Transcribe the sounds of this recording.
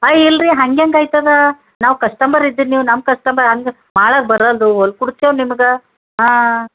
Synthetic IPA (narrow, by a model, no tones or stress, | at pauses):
ɐjilɾiɦɐŋɡjɐŋɡaːjt̪ad̪ɐ | naːʋkɐʂʈɐmbɐɾid̪ːiniːʋnɐm̚kɐʂʈɐmbɐɾɦɐŋɡ | maːɭaːɡ̚bɐɾɐld̪uɔl̚kuɽt̪jonimɐɡɐ | ɦaː